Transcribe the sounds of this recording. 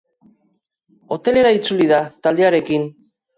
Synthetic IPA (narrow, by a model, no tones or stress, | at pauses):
o̞t̪e̞le̞ɾait͡suliðat̪ald̪e̞aɾe̞kin